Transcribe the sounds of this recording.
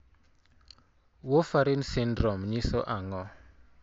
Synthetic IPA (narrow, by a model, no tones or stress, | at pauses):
wofaɾinsindɾɔmɲisɔʔaŋɔ